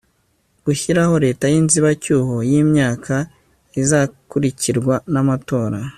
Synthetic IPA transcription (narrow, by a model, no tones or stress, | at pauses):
ɡ̥uçiɾaho̞ɾe̞ːtajinziβacuːɦo̞jimɲaːkʰa | izakuɾiciɾɡwanamato̞ːɾa